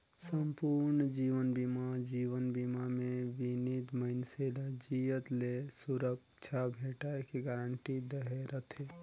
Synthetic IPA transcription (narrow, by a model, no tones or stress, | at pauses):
səmpuɾnd͡ʒiʋənbimad͡ʒiːwənbimamẽʋinid̪məɪnselad͡ʒijət̪lesuɾək̚ | t͡ʃʰabʱeːʈaekiɡaːɾəɳʈid̪əɦeɾət̪ʰe